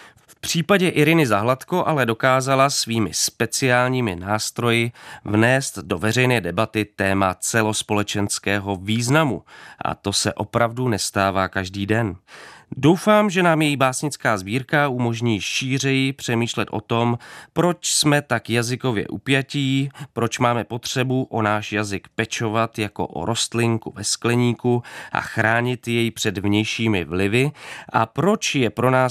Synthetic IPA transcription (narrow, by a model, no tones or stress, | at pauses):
f | pr̝̥iːpaɟɛʔɪɾɪnɪzaɦlat̪koʔalɛdo̞kaːzalasviːmɪ̰spɛt͡sɪaːlɲiːmɪnaːst̪ɾo̞jɪvnɛːst̪do̞vɛr̝ɛjnɛːdɛbat̪ɪt̪ɛːmat͡sɛlo̞spo̞lɛt͡ʃɛnskɛːɦo̞viːznamṵʔa̰t̪o̞sɛ̰ʔo̞pɾavdunɛst̪aːvaːkaʒdiːdɛndo̞wfaːmʒɛnaːmjɛjibaːsɲɪt͡skaːzbiːɾkaumo̞ʒɲiːʃiːr̝ɛjɪpr̝̥ɛmiːʃlɛt̪ʔo̞̰t̪o̞mpɾo̞t͡ʃsmɛt̪akjazɪko̞vjɛ̰ʔṵpjaciːpɾo̞t͡ʃmaːmɛpo̞t̪r̝̥ɛbuʔo̞naːʃjazɪkpɛt͡ʃo̞vat̪jako̞̰ʔo̰ɾʔo̞st̪lɪŋkuvɛsklɛɲiːkuʔa̰xɾaːɲɪt̪jɛjpr̝̥ɛdvɲɛjʃiːmɪvlɪvɪʔa̰pɾo̞t͡ʃjɛpɾo̞naː